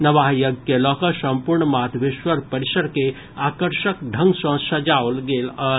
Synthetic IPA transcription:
nəʋajəɡkelɔkəsə̃mpuɾɳmad̪ʱbiʃʋəɾpəɾisəɾke | akəɾʃəkɖʱəŋɡsə̃səd͡ʒaolɡelə

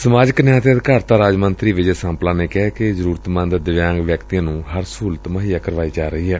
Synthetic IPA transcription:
səmaːd͡ʒəknjãːt̪eəd̪kaːɾt̪ãːɾaːd͡ʒmənt̪ɾiːʋɪd͡ʒesãːmplãːneːkɛːkezəɾuːɾət̪mə̃nd̪d̪ɪʋjãːŋɡʋjəkt̪ijãːnũːɦəɾsuːlət̪məɦijaːkəɾʋaːiːd͡ʒaːɾəɦiːɦɛː

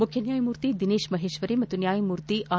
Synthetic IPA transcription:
mʊkʰjɐnjaːjmuːɾt̪id̪ineːʃmɐɦeːʃʋəɾimɐt̪unjaːjmuːɾt̪iʔaː

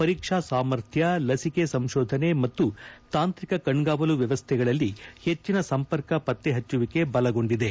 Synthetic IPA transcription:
pɐɾiːkʂasaːmɐɾt̪ʰjɐlɐsikesɐmʃɔːd̪ʱɐne̞mɐt̪ːut̪aːnt̪ɾikɐkɐɳɡaːʋɐluʋjɐʋɐst̪ʰɛɡɐɭɐlːihe̞t͡ʃːinɐsɐmpɐɾkɐpɐt̪ːeɦɐt͡ʃːuʋike̞bɐlɐɡo̞ɳɖid̪e̞

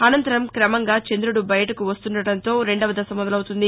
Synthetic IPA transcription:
ɐnɐnt̪ɐɾɐmkɾɐmɐŋɡaːt͡ʃend̪ɾuɽubɐjɐʈɐkuʋɐst̪unɖɐɽɐnt̪o̞ːɾe̞ɳɖɐʋɐd̪ɐsɐmːɐd̪ɐlɐwt̪und̪i

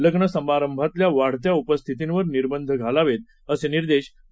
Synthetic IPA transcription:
ləɡɳəsəmaɾəmbʱat̪ljaʋaɽ̤t̪jaupəst̪ʰit̪inʋəɾniɾbənd̪ʱəɡʱalaʋet̪̚ | əseniɾd̪eɕ

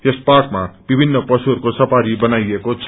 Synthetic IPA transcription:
jesparkmab̥ibʱinːʌpʌsuɦʌɾkosʌpaɾibʌnajekot͡sʰ

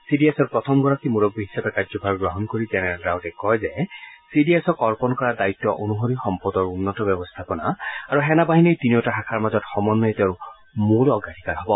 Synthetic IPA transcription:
sidiɛsɔɹpɹɔt̪ʰɔmɡɔɹakʰimuɹɔɡ̚biɦisapɛkazɔbʱaɡɡɹɔɦɔnkoɹizɛnɛalɡawtɛkɔjzɛsidiesɔkɔɹpɔnkɔɹadaitːɔʔonuɦoɹixɔmpɔdɔɹunːɔtɔbɔbɔst̪ʰapɔna̰aɹuɦɛnabaɦinejtiniɔtaɦakʰaɹmazɔtxɔmɔnːɔetɛɹu | muɹɔɡadʱikaɹɦɔbɔ

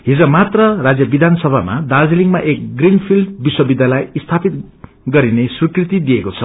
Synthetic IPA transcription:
ɦid͡zʌmat̪rʌrad͡zjʌbid̪ʱansʌbʱama̰d̪ad͡ziliŋmaʔek̚ɡrinpʰilɖbiswʌbid̪ʱːalajist̪ʰapit̪ | ɡʌɾinesrikrit̪id̪ijekot͡sʰʌ

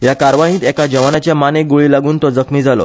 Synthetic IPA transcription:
jakaɾʋaɦĩːt̪ɛkad͡ʑəʋanat͡ɕjamaneɡoɭiːlaɡuːnt̪ɔd͡zəkʰmiːd͡zalɔ̰

